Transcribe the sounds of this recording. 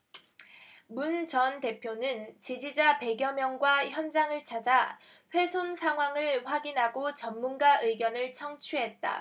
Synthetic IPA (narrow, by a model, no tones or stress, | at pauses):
munt͡ɕʌnte̞pʰjonɯnt͡ɕid͡ʑid͡ʑape̞ɡjʌmjʌŋɡwaçjʌnd͡ʑaŋɯɭt͡ɕʰad͡ʑa | ɸwe̞sʰonsʰaŋɦwaŋɯɭɸwaɡinɦaɡot͡ɕʌmːunɡaʔɯɡjʌnɯɭt͡ɕʰʌŋt͡ɕʰuɦe̞t̚t͈a̰